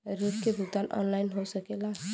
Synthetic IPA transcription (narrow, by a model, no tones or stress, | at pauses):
ɾupkebʱut̪anʔɔ̰nlajnɦosəkela